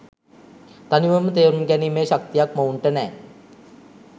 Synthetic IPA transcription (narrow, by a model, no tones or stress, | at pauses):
t̪aniʋəmət̪eːɾmɡæniːmeːʃak̚t̪ijakməuɳʈənɛː